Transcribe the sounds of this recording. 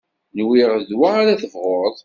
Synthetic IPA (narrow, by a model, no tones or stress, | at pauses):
nwiʁðwaaɾaθəvʁoɾˤðˤ